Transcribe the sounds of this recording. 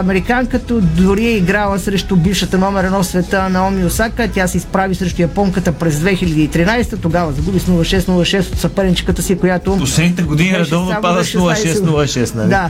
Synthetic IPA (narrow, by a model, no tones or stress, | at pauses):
ɐmɛɾikaŋkət̪od̪ʊɾiɛiɡɾalˠɐsɾɛʃt̪ʊbifʃət̪ɐnɔmɛɾɐnɔfsvɛt̪ənɐɔmiosakət̪ʲasɛispɾavisɾɛʃt̪ʊjɐpɔŋkət̪əpɾɛzd̪vɛxilʲɐd̪iit̪ɾinajst̪ət̪oɡavɐzɐɡubisnulˠɐʃɛst̪nulˠɐʃɛst̪ot̪sɐpɛɾɛnt͡ʃi̥kət̪əsikojat̪oposlɛd̪nit̪ɛɡod̪iniɾɐd̪ɔvnopad̪əsnulˠɐʃɛsnulˠɐʃɛst̪nɐd̪a